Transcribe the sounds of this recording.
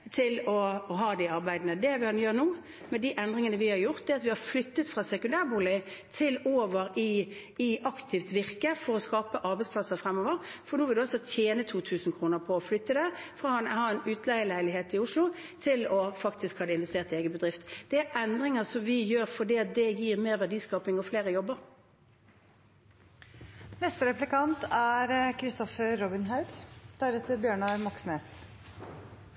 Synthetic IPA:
t̪ʰɪlɔɦɑːd̪ɪɑɾbæɪd̪nəd̪ɛʋɪɑnjøːɾnuː | mɛd̪iʔɛnd̪ʁɪŋənəʋɪhɑɾjʊʁt̪̚d̪ɛɑt̪ʋɪhɑɾflʏt̪ːət̪fʁɑːsɛkʉnd̪æːʁbuːlɪt̪ʰɪloːʋəɾɪ | ɪɑkt̪ʰɪft̪ʋɪʁkəfɔɾɔskɑːpəʔɑɾbæɪd̪spʰlɑsəɾfɾɛmːoːʋəɾfɔɾnuːʋɪld̪ʉɔlsɔt̪ʰjeːnət̪ʰuːt̪ʰʉːsn̩kʰɾuːnəɾpʰɔːflʏt̪ːəd̪ɛʁfɔʁɔɑnhɑːɛnʉːt̪lɛəlæɪlɪɦeːt̪ɪʊʂlʊ | t̪ʰɪlɔfɑkt̪ɪskhɑːd̪əɪnʋɛst̪eːʁt̪ɪeːɡəbəd̪ʁɪft̪d̪̥ɛæɾʔɛnd̪ʁɪŋəʁsɔmʋɪjøːɾfɔɖiːɑt̪̚d̪ɛjiːʁmeːʁʋædiːskɑːpɪŋɔfleːʁəjɔbːəʁ | nɛst̪əɾɛplɪkɑnt̪æɾkʰɾɪst̪ɔfəɾɾɔbɪnɦɑʉɡd̪̥æːɾʉt̪ʰːɪbjøːɳɑmɔksneːs

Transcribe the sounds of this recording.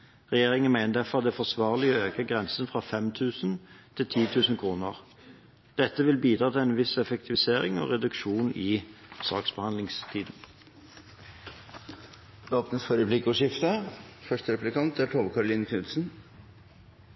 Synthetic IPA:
ʁɛjeːʁɪŋənmæɪnəd̪æfɔʁɑt̪̚d̪ɛfɔsʋɑːʁlɪøːkəɡʁɛnsənfʁɑːfɛmt̪ʰʉːsn̩t̪ʰɪlt̪ʰiːt̪ʰʉːsn̩kʰʁuːnəʁ | d̪̥ɛt̪ːəʋɪlbiːd̪ɾɑːt̪ʰɪɛnʋɪsɛfəkt̪ʰɪʋɪseːʁɪ̰ŋo̰ʁɛd̪ʉkʃuːnɪsɑːksbəhɑnd̪lɪŋst̪ʰiːd̪n̩ | oːpnəsfɔɾɛplɪkʊʂɪft̪əfœʂʈəɾɛplɪkɑnt̪æʈʰoːʋkʰɑɾʊlɪːnəkʰnʉt̪sn̩

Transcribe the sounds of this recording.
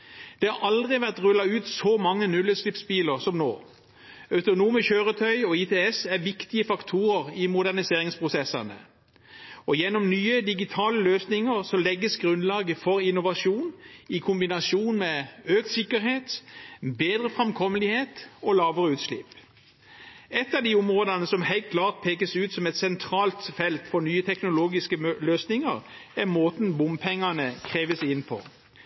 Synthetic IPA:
d̪̥ɛhɑʔɑld̪ʁɪʋæʁt̪ʁʉlːɑʉːt̪sɔmɑŋːənʉləslɪpsbiːləʁsɔmno̰ː | œʉt̪ʊnuːməçøːʁət̪ʰœʏɔit̪ʰeːɛsæʋɪkt̪ɪəfɑkt̪ʰuːʁəʁɪmʊd̪æʁnɪseːʁɪŋspʰʁʊsɛsɑnə̰ | ɔjɛnːɔmnyːəd̪ɪɡɪt̪ʰɑːləløːsnɪŋəʁsɔlɛɡːəsɡʁʉnlɑːɡəfɔʁɪnʊʋɑʃuːnɪkʰʊmbɪnɑʃuːnmɛøːk̚t̪sɪkːəɾheːt̪beːd̪ʁəfʁɛmkʰɔməlɪheːt̪ɔlɑːʋəʁəʉːt̪ʃlɪ̰pː | ɛt̪ːɑʋd̪iʊmʁoːd̪ɑnəsɔmhæɪlt̪̚kʰlɑːʁt̪̚pʰeːkəsʉːt̪sɔmɛt̪sɛnt̪ʰʁɑːlt̪fɛlt̪fɔɾnyːət̪ʰɛknʊloːɡɪskəløːsnɪŋəʁæʁmoːt̪nbʊmpʰɛŋːɑnəkʰʁeːʋəsɪnpʰɔ̰

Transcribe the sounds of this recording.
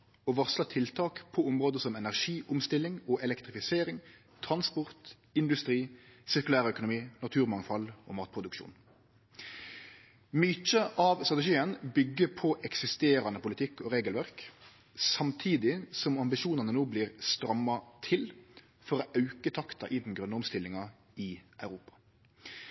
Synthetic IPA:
ɔːʋɑʁslɑt̪ʰɪlt̪ʰɑːkpʰɔʊmʁoːd̪əsɔmɛnæʁʂiːʔʊmst̪ɪlːɪŋɔːʔɛlɛkt̪ʁɪfɪseːɾɪŋ | t̪ʰʁɑnspʊʁt̪ | ɪnd̪ʉst̪ɾiːsɪʁkʉlæːʁəœkʊnʊmiːnɑt̪ʰʉːʁmɑŋfɑlɔ̰mɑːt̪̚pʰʁʊd̪ʉkʃṵːn | myːt͡ʃəʔɑʋst̪ʁɑt̪ɛʃiːənbʏɡːəpʰɔʔɛksɪst̪eːɾɑnəpʊlɪt̪ʰɪkːɔʁeːɡəlʋæʁk | sɑmt̪ʰiːd̪ɪsɔmɑmbɪʃuːnɑnənoːbliːʁst̪ɾɑmːɑt̪ʰɪl | fɔɾoːʔɑʉkət̪ʰɑkt̪ɑ̰ʔɪd̪n̩ɡɾœnːəɔmst̪ɪlːɪŋɑ | ɪœʉʁuːpɑ̥

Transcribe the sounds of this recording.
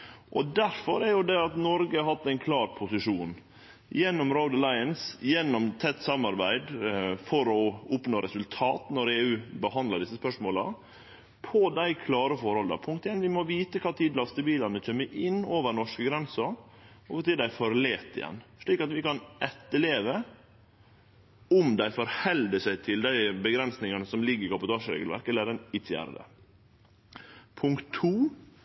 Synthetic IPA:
ʔɔd̪æɾfɔɾɛɾjʊd̪ɛɑt̪nɔɾɡəɑɦɑt̪ːæɪnkʰlɑːɾpʰʊsɪʂuːn | jɛnːɔmɾoʊd̪əlɑɪənsjɛnːɔmt̪ʰɛt̪ːsɑmːɑɾbæɪd̪fɔɾɔʊpnoːɾɛsʉlt̪ʰɑːt̪nɔɾeːʉːbəhɑnd̪ləɖɪsːəspœʂmoːlə | pʰɔd̪æɪkʰlɑːɾəfɔɾhɔlə̰pʰʊŋkt̪ɪɛnʋɪmɔʋiːt̪əkʰɑːt̪ʰiːd̪lɑst̪əbiːlɑnəc͡çʰœmːəʔɪnːoːʋəɾnɔʂkəɡɾɛnsəɾɔt̪ɪd̪æɪfɔɾleːt̪ɪ̰jɛ̰nːʂɭiːkɑt̪ʋɪkɑnɛt̪ːəleːʋə | ʊmd̪æɪfɔɾhɛld̪əsæɪt̪ʰɪld̪æɪbəɡɾɛnsnɪŋɑnəsɔmlɪɡːəɾɪkɑbʊt̪ʰɑːʂəɾḛːɡəlʋæ̰ɾkɛləɾɛnɪt̪ʰjæ̰ːɾə̰d̪ə̰ | pʰʊŋkt̪ʰːuː

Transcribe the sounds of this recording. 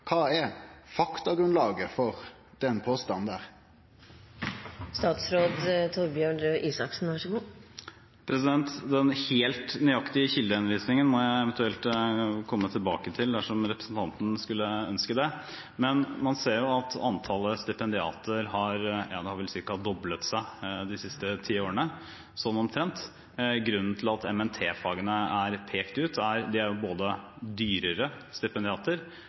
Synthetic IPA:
kʰɑːɛfɑkt̪ɑɡɾʉnlɑːɡəfɔʁ | d̪̥ɛnpʰoːst̪ɑnd̪æʁ | st̪ɑːt̪sɾoːd̪t̪ʰɔɾbjøːɳɾøːʔiːsɑksn̩ʋɑʂəɡuː | pʰɾɛsɪd̪ɛnt̪d̪ɛnheːlt̪nʏɑkt̪ɪəçɪld̪əhɛnəʋiːsnɪŋənmɔjæɪɛʋənt̪ʉɛlt̪kʰɔmːət̪ʰɪlbɑ̰ːkət̪ʰɪld̪æʂɔmɾɛpɾəsn̩t̪ʰɑnt̪n̩skʉlːəœ̰nskəd̪ɛ | mɛnmɑnseːɾjʊɑt̪ɑ̰nt̪ʰɑləst̪ɪpɛnd̪ɪɑ̰ːt̪ʰəɾhɑɾjɑːd̪ɛhɑɾʋɪlsɪkːəhɑd̪ɔblət̪sæɪd̪ɪsɪst̪ət̪ʰiːoːɾənə | sɔnːɔmt̪ʰɾɛnt̪ | ɡɾʉnːn̩t̪ʰɪlɑt̪ʰɛmɛnt̪ʰeːfɑːɡənəæɾpʰeːkt̪ʉːt̪ʰæɾd̪ɪæɾjʊboːd̪ə | d̪yːɾəɾəst̪ɪpɛnd̪ɪɑːt̪əɾ

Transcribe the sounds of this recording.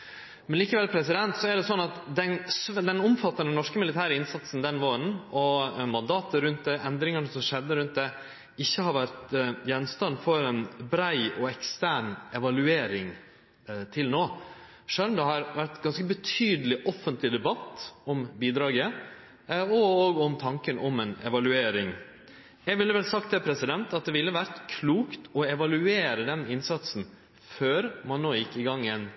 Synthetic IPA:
mɛnliːkəʋɛlpʰɾɛs̬ɪd̪ɛnt̪sɔæɖɛsɔnːɑt̪d̪ɛnsd̪ɛnɔmfɑt̪ːɑɾɛnɔʂkəmɪlɪt̪ʰæːɾəɪnsɑt̪sn̩d̪ɛnʋoːɾənɔmɑnd̪ɑːt̪əɾʉnt̪̚d̪ɛʔɛnd̪ɾɪŋənəsɔmʂɛd̪ːəɾʉnt̪̚d̪ɛ | ɪçːəhɑɾʋæɾt̪jɛnst̪ɑnfɔɾɛnbɾæɪɔɛkst̪æːɳɛʋɑlʉeːɾɪŋ | t̪ʰɪlnoː | ʂøːnmd̪ɛhɑɾʋæɾt̪ɡɑnskəbət̪ʰyːd̪əlɪʔɔfənt̪lɪd̪ɛbɑt̪ːɔmbiːd̪ɾɑːɡə | ɔoːɡɔmt̪ʰɑŋkənʔɔmɛnɛʋɑlʉeːɾɪŋ | jɛɡʋɪlːəʋɛlsɑkt̪ʰɛpʰɾɛsɪd̪ɛnt̪ɑt̪̚d̪ɛʋɪlːəʋæɾt̪kʰluːkt̪ɔɛʋɑlʉeːɾəd̪ɛnɪnsɑt̪sn̩ | føːɾmɑnːoːjɪkːɪɡɑŋːɛɪn

